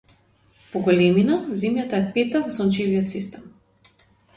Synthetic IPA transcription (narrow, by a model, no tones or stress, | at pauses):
pɔɡɔlɛminazɛmjat̪aɛpɛt̪avɔsɔnt͡ʃivijɔt̪sist̪ɛm